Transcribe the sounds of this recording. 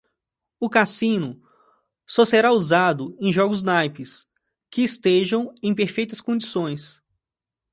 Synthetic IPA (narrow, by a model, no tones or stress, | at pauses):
ʊkasĩnʊ | sɔseɾauzad̪ʊẽj̃ʒɔɡʊznajpɪs | kɪːst̪eʒɐ̃w̃ẽj̃peɾfejt̪ɐskõd͡ʒisõj̃s